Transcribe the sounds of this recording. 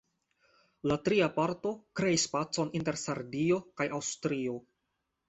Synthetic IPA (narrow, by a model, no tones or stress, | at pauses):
latɾiapaɾto̞kɾe̞isːpat͡so̞ninte̞ɾsaɾdio̞kajʔawstɾio̞